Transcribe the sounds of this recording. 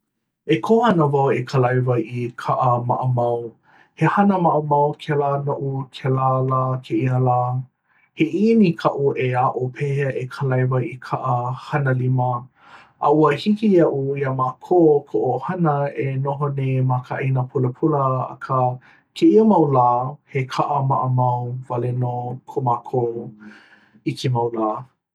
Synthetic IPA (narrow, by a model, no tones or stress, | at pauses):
ekʰohɐnəvɐwekʰəlajvajikʰaʔəma̰ʔəmɐw | hehɐnəmaʔəmɐwkʰɛlanoʔukʰɛlalaːkʰeʔiəlaː | heʔinikʰaʔuʔeaʔopʰehʔekʰəlajvɐjikʰaʔəhɐnəlimə | ʔa̰uəhikiɐʔuiəmaːkʰoːkʰoʔohɐnəenoɦonemakʰaʔinəpʰuləpʰuləɐ̰kʰə | kʰeiəmɐwlaːhekʰaʔəmaʔəmɐwvalenokʰomaːkʰo | itemɐwlaː